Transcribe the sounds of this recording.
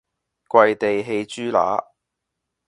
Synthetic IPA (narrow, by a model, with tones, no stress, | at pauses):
kʷɐ˧jt̪e˨jɦe˧jt͡ʃyː˥la̰ː˨˥